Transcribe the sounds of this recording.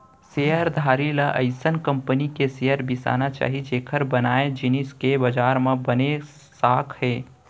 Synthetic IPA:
sejəɾd̪ʱaːɾilaʔə̰ɪsənkə̃mpənikesejəɾbɪsa̰ːnat͡ʃa̰ːɦid͡ʒeːkʰəɾbɐnaːed͡ʒɪniskebɐd͡ʒaːɾmãbɐne | saːkʰɦɛː

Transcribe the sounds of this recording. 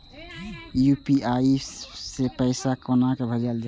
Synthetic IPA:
jupiaisepəɪsakonakebʱəd͡ʒəld͡ʒa

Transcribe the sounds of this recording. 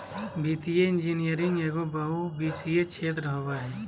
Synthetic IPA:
biːt̪ijeɪ̃nd͡ʒinijəɾɪ̃ŋeːɡobaɦubiːsiet͡ʃʰeːt̪ɾəɦobaɦɛː

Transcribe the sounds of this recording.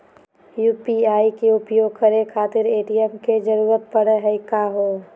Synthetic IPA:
juːpiaːikeʊpjoːɡ̚kəɾekʰaːt̪ɪɾeːʈijəmked͡ʒəɾuːɾət̪̚pəɽəɦɛkaɦoː

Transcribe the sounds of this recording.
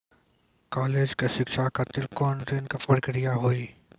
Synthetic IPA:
kaːleːd͡ʒkeʃɪkʃakat̪ɪlkɔːnɾinkafɐɾkɾijaɦoːiː

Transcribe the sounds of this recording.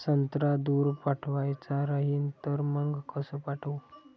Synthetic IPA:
sənt̪ɾad̪uːɾpaʈʰʋajt͡saɾaɦiːnt̪əɾməŋɡkəsəpaʈʰəw

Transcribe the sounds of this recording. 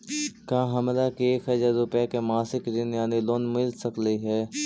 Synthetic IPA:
kãːɦɐmlakieːkɦɛd͡ʒaɾʊpakemaːsɪkɾɪnjaːniloːnmɪlsəkliɦɛː

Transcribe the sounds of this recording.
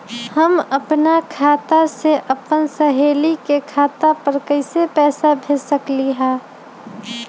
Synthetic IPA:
hɐmɐpnakʰaːt̪aseʔɐpənsɐɦeːlikekʰaːt̪apɐɾkəɪsepɛːsabʱɪsəkliɦɛ̃ː

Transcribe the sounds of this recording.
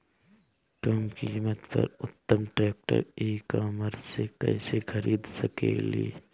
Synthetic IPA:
kəmkimət̪pə̰ɾʊt̪ːəmʈɾɛːk̚ʈə̰ɾeːkaːməɾsekə̰ɪsexʰəɾiːd̪səkelie

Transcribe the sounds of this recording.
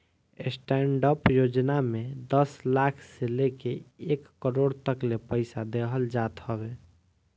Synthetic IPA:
esʈɛːɳɖəpjoːd͡ʒnamed̪əslakʰselekeeːkːəɾoːɽt̪əklepəɪsad̪eɦəld͡ʒat̪ɦəbe

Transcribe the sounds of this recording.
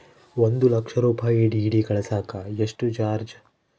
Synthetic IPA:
ond̪ulɐkʂɐɾuːpaːjiɖiːɖikɐɭɐsaːkaeʂʈut͡ʃaːɾd͡ʒ

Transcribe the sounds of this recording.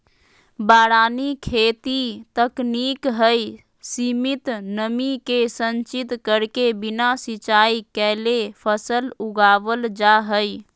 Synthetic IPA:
baɾanikʰet̪it̪əknikɦəj | simit̪nəmikesənt͡ʃit̪kəɾkebinasit͡ʃaikɛlepʰəsəluɡabəld͡ʒaɦəj

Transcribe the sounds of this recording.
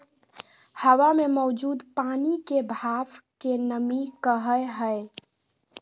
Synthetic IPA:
həwamemɔwd͡ʒud̪panikebʱabkenəmikəɦəjɦəe

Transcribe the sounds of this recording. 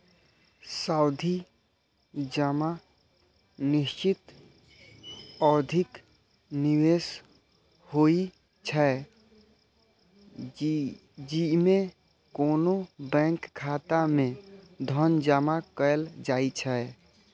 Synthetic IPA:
saʊd̪ʱi | d͡ʒama | nist͡ʃit̪ | əd̪ʱik | niwes | hoi | t͡ʃʰɛ | d͡ʒime | konobɛ̃ŋkʰːat̪amẽ | d̪ʱənd͡ʒamakəeld͡ʒait͡ʃʰɛ

